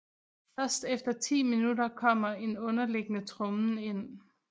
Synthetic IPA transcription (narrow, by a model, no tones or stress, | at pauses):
fɶɐsd̥efd̥ɐt͡sʰḭːminudɐkʰɒ̽m̰ɐe̝nɔ̽nɐle̝ɡ̥ənət͡sʰʁɔmn̩e̝n̰